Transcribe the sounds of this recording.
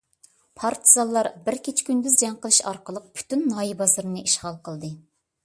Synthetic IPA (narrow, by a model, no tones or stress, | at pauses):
pʰɑɾt̪ʰɨzɑlˠːɑɾbɪɾkʲʰet͡ʃʰkʲʰynd̪yzd͡ʒɛŋqəlˠɨʃɑ̰ɾqəlˠəq̚pʰy̥t̪ynːɑːjibɑzɨɾɨnɨʔiʃχɑlˠqʰəlˠd̪ɨ